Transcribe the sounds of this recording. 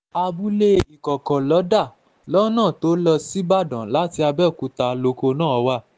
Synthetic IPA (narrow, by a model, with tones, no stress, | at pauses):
a˧bu˦le˦i˨kɔ˨kɔ̃˨lɔ˨˦da˦˨ | lɔ˦nã˦˨to˨˦lɔ˧si˦ba˦˨dã˨la˦ti˧a˧bɛ˦˨ku˨˧˦ta˧lo˧˦ko˧nãː˦˨ɔ˧wa˦˨